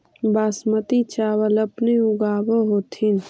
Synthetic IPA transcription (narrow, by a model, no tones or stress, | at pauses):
baːsmət̪it͡ʃaːwəlɐpniʊɡaːbəɦoːt̪ʰin